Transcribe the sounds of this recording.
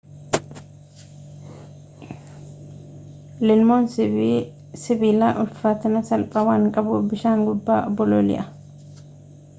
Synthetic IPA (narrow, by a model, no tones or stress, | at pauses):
lɪlmoːn | sɪbiːlaːʔʊlfaːt̪ɐnɐsɐlpʼɐwaːŋkʼɐbʊbɪʃaːŋɡʊbːaːɔbɔloːlɪ̰ʔɐ